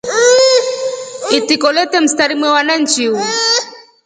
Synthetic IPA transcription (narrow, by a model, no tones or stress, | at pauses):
it̪ikolet̪emst̪aɾimwewanant͡ʃiu